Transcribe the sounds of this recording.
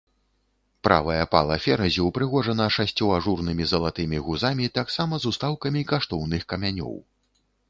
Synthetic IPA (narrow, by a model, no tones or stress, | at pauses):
pɾʔa̰vɐjɐpa̰lˠɐfʲɛɾɐzʲiwpɾɨɣɔʐɐnɐʂasʲt͡sʲːɔaʐurnɨmʲizɐlˠat̪ɨmʲiɣuzamʲit̪aksamɐzust̪awkɐmʲikaʂt̪ɔwnɨxkɐmʲanʲɔ̰w